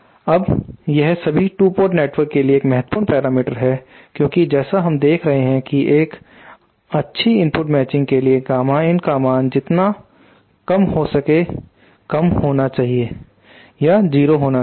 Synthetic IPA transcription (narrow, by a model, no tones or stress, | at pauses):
ɐbjɛɦsɐbʱiʈuːpoːɾʈneːʈʋəɾkːelieːkmɛɦət̪̚puːɾnpɛːɾaːmɪʈəɾɦɛ | kjõːkid͡ʒɛːsaɦɐmd̪eːkʰɾɐɦeɦɛ̃kiʔeːk | ɐtːʃʰiɪ̃mpʊʈmɛːt͡ʃɪ̃ŋɡ̚keliekaːmaːɪ̃nkaːmãːnd͡ʒɪt̪na | kɐmhosɐke | kɐmhoːnat͡ʃaːɦie | jad͡ʒiːɾoɦoːna